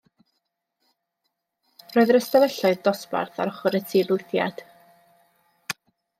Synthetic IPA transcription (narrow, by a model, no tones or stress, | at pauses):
roːɨðɾəstavɛɬɔɨðd̥ɔspa̰rθa̰ɾɔχɔɾətʰiːlˠʊɨθja̰d̥